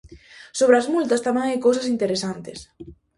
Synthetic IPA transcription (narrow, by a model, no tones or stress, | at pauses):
soβ̞ɾeazmult̪ɐst̪amɛ̃ŋajkowsɐsint̪eɾesant̪ɪs